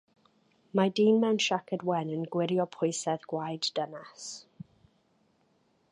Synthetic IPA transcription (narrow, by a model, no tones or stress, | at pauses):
madiːnmɛwnʃakʰədwɛnənɡwɪɾjɔpʰʊjsɛðɡ̥wajddənɛs